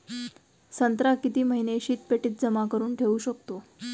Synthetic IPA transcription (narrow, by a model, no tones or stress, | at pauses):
sənt̪ɾakit̪iːməɦineɕiːt̪̚peʈiːt̪̚d͡zəmakəɾuːnʈʰeuːɕək̚t̪o